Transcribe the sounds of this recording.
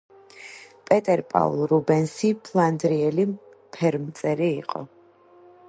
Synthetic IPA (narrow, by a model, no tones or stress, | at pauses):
pʼɛt̪ʼɛɾpʼa̰ṵlˠɾubɛnsipʰlˠand̪ɾiɛli | pʰɛɾmt̪sʼɛɾiːqʼɔ̰